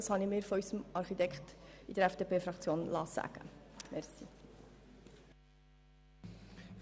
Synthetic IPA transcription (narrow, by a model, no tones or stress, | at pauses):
əshɑnimeːrfœɥsəmʔɑrχitɛkχtidəɾæfd̥eːpeːfɾɑkt͡sjoːnlɑːsæ̰kə̰mærsi